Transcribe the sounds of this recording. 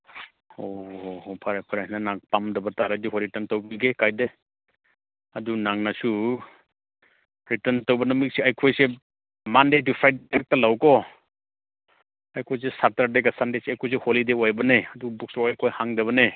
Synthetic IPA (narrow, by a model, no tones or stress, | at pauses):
ohɔpʰaɾajpʰaɾasnanak̚pamdɐbataɾajduɦoɾitantawbiɡekajde | adunaŋnasu | ɾitɐntawbɐnɔmik̚seajkʰojse | mandedipʰajdak̚talawkɔ | ajkʰojs̬esataɾdeɡasandeseajkʰojs̬eholidewajbɐneadubuk̚sɔwajkʰojhaŋdaβɐne